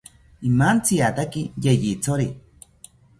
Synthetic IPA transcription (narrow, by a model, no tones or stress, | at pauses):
imant͡siat̪akijejit͡soɾi